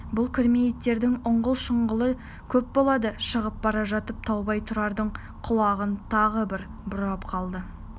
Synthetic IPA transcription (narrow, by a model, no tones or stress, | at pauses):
bʊlˠkʲʰɪɾmeet̪ːe̞ɾd̪ɪŋʊɴʁəlˠʃəɴʁəlˠə | kʲʰɵp̚bo̞lˠɑd̪əʃəʁəp̚bɑɾɑʒɑt̪əp̚t̪ʰɑwbɑjt̪ʰʊɾɑɾd̪əɴ | qʰʊlˠɑʁənt̪ʰɑʁəbɪɾ | bʊɾɑpqʰɑlˠd̪ə